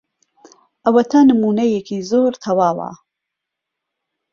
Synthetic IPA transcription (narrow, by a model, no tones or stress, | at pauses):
ʔɐwɐt̪ʰɐnɨmuːnɐjekʰiːzoːɾt̪ʰɐwaːwa̰